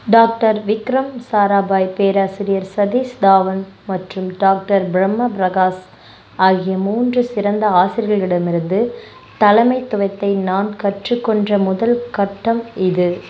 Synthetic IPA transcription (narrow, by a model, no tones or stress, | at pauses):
ɖaːk̚ʈɐɾʋɪkɾɐmsaːɾaːbaːjpeːɾaːsɪɾɪjɐɾsɐðiːsd̪aːʋɐnmɐʈrɯmɖaːk̚ʈɐɾbɾɐmːɐbɾɐɣaːs | aːɣɪjɐmuːndrɯsɪɾɐnd̪ɐaːsɪɾɣɐɭɪɽɐmɪɾɯnd̪ɯ | t̪ɐlɐmɐɪt̪ːʊʋɐɪt̪ːɐɪnaːnkɐʈrɯkːɔɳdrɐmʊðɐlkɐʈːɐmɪðɯ